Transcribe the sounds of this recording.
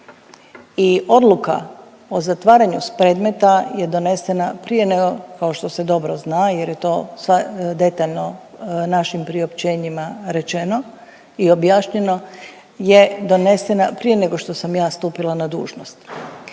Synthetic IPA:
io̞d̪lˠuka̰ | o̞zat̪ʋaːɾaɲuspɾe̞ːd̪me̞t̪aje̞d̪o̞ne̞se̞napɾije̞neɡokao̞ʃt̪o̞se̞d̪o̞bɾoznaːje̞ɾje̞t̪o̞ːsʋad̪e̞t̪aʎno̞ | naʃimpɾio̞pt͡ɕe̞ːɲimaɾe̞t͡ʃe̞no̞ | io̞bjaːʃɲe̞no̞ | je̞d̪o̞ne̞se̞napɾije̞ne̞ɡo̞ʃt̪o̞samjaːst̪uːpilˠanad̪ṵːʒno̞st̪

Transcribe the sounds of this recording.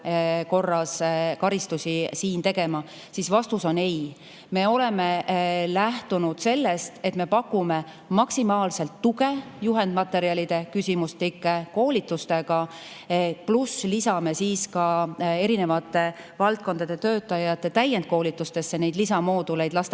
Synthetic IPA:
ko̞rːɑskɑɾist̪usʲisiːnt̪e̞ɡ̥e̞mɑ | sisvɑst̪uso̞nej | me̞o̞le̞melæht̪unud̪̥se̞lːest̪e̞t̪me̞pɑkːˑume̞ | mɑksimɑːlse̞lt̪ːuɡe̞juɦe̞nd̪̥mɑt̪ːˑe̞ɾiɑlid̪̥e̞kysʲimust̪likːˑeko̞ːlit̪ːˑust̪e̞ɡ̥ɑ | pluslisɑme̞siːskɑe̞ɾine̞vɑt̪ːˑe̞ | vɑlt̪̚ko̞nd̪ɑd̪̥e̞t̪ø̞ːt̪ːˑɑjɑt̪ːˑe̞t̪æjːend̪̚ko̞ːlit̪ːˑust̪e̞sːe̞ne̞jd̪lisɑmoːd̪ule̞jd̪̥lɑst̪e

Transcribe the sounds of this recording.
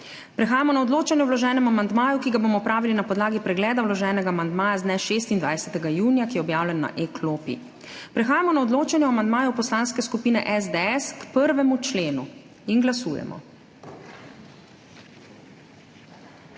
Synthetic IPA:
pɾɛxaːjamɔnaɔd̪loːt͡ʃanjɛwlɔʒɛːnɛmuamand̪maːjukiɡaboːmɔpɾaːʋilinapɔd̪laːɡipɾɛɡlɛːd̪awlɔʒɛːnɛɡaːmand̪maːjaznɛʃeːst̪ind̪ʋa̰jsɛt̪ɛɡajuːnjakijɛɔbjaːwlʲɛnːa̰ʔekʰloːpḭ | pɾɛxaːjamɔnaɔd̪loːt͡ʃanjɛamand̪maːjɔwpɔslanskɛskupiːnɛʔɛzd̪eɛskpəɾʋɛmut͡ʃleːnṵ | inɡlasṵːjɛ̰mɔ̰

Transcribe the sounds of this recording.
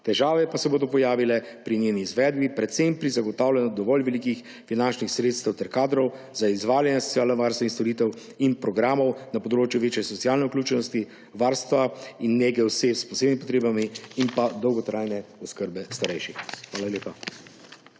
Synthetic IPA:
t̪ɛʒaːʋɛpasɛboːd̪ɔpɔjaːʋilɛ | pɾiɲemiːzʋɛːd̪bipɾɛt̪sempɾizaɡɔt̪aːwlʲjɛnɔd̪ɔʋɔlʋɛlikix | finant͡ʃnixsɾeːt̪st̪ɛwt̪ɛɾkaːd̪ɾɔw | zaizʋaːljanjɛsɔ̥t̪t͡s̪ijaːlnɛʋaɾst̪ʋainst̪ɔɾiːt̪ɛw | inpɾɔɡɾaːmɔwnapɔd̪ɾoːt͡ʃjuʋeːt͡ʃjɛsɔsiaːlnɛuklʲuːt͡ʃɛnɔst̪i | ʋaɾst̪ʋainːeɡɛwsepspɔseːbnimipɔt̪ɾeːbamiinpad̪ɔwɡɔt̪ɾajnɛɔskəɾbɛst̪aɾɛjʃixxʋaːlalʲeːpa

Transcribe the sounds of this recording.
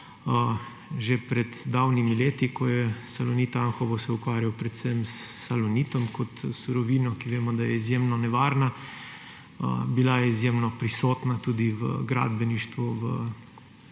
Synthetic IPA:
ʒepɾɛd̪d̪awnimileːt̪ikɔjɛsalɔnit̪aŋxɔʋɔsɛukʋaːɾjawpɾɛt̪sɛmsːalɔnit̪ɔmkɔt̪suɾɔʋiːnɔkiʋeːmɔd̪ajɛizjemnɔnɛʋaːɾna | ə̰bilajɛizjeːmnɔpɾisoːt̪nat̪uːd̪iʋə̰ɡɾa̰ːd̪bɛniʃt̪ʋuʋə̰

